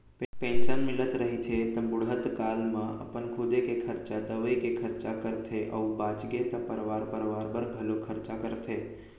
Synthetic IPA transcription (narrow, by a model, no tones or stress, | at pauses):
ppẽːnsənmɪlət̪ɾəɦit̪ʰet̪ɐ̃bʊɽət̪kaːlmãʔə̰pənkʰʊd̪ekekʰəɾt͡ʃad̪əʋəjkekʰəɾt͡ʃakəɾt̪ʰeʔə̰wbaːt͡ʃɡet̪ɐpəɾʋaːɾpəɾʋaːɾbəɾɡʱəlokʰəɾt͡ʃakəɾt̪ʰe